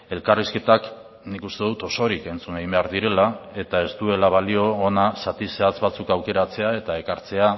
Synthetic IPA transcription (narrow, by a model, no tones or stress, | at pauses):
e̞lkariske̞t̪ak | nikust̪e̞ðut̪o̞so̞ɾike̞nt͡sunaɣimbe̞aɾðiɾe̞lae̞t̪ae̞st̪ue̞laβ̞alio̞ːnasat̪iseat͡sβat͡sukawke̞ɾat͡se̞ae̞t̪ae̞kaɾt͡se̞a